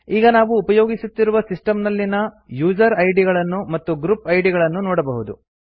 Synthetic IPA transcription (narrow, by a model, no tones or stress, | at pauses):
iːɡɐnaːʋuːpɐjoːɡisut̪ːiɾuʋɐsisʈɐmnɐlːinɐ | juːd͡ʒɐɾɐjɖiɡɐɭɐnːumɐt̪ːuɡɾupɐjɖiɡɐɭɐnːunɔːɽɐbɐɦud̪ṵ